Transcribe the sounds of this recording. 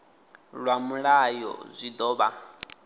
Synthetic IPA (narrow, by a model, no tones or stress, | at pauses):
ɺwamuɺajɔ̰zʷid̪ɔːβa